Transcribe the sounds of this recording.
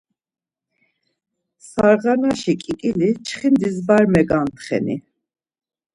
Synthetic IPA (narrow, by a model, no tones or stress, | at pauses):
saɾʁanaʃikʼikʼilit͡ʃʰχind̪izbaɾmɛɡant̪ʰχɛ̰nḭ